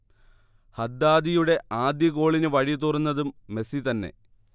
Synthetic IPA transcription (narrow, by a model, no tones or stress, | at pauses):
hɐd̪ːaːd̪ijuɽe̞aːd̪jɐko̞ːɭinɨʋɐɻit̪urɐnːɐðumːe̞sit̪ɐnːe̞̰